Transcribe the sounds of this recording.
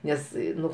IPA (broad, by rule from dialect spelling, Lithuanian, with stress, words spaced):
ˈnʲɛs ˈnʊ